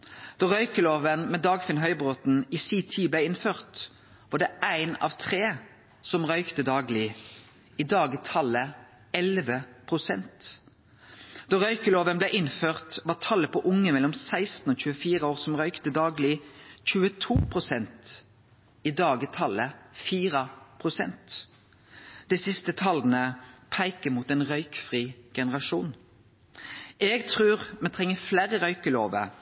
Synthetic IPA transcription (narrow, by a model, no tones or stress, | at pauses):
d̪̥oːʁœʏkəloːʋənmɛd̪ɑːɡfɪnɦœʏbʁoːt̪n̩isiːt̪ʰiːblæɪɪnføːʁt̪ | ʋɑːd̪ɛʔæɪnɑ̰ːʋt̪ʰʁeː | sɔmʁœʏkt̪əd̪ɑːɡlɪ | iːd̪ɑːɡət̪ʰɑlə | ɛlʋəpʰʁʊsɛ̰nt̪ | d̪̥ɔːʁœʏkəloːʋənblɛɪʔɪnføːʁt̪ʋɑːt̪ʰɑləpʰɔʔʊŋəmɛlːɔmsæɪst̪n̩oːc͡çʉːəfiːʁəoːʁsɔmʁœʏkt̪əd̪ɑːɡlɪc͡çʉːət̪ʰuːpʰʁʊsɛnt̪ | id̪ɑːɡət̪ʰɑləfiːʁəpʰʁʊsɛ̰nt̪ | d̪̥ɛɪsɪst̪ət̪ʰɑlnəpʰæɪkəmuːt̪ɛnʁœʏkfʁiːɡ̥ɛnəʁɑʃuːn | ʔɛɡt̪ʰʁʉːʁmɛnt̪ʰʁɛŋːəflæːʁəʁœʏkəloːʋə̰